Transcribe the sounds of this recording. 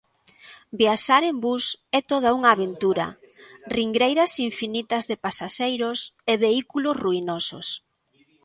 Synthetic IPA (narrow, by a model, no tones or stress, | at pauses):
biaʃaɾembusɛt̪oð̞ɐuŋaːβent̪uɾɐ̰ | riŋɡɾejɾɐsiɱfinit̪ɐzðepasaʃejɾʊseβeikulosruinoso̰s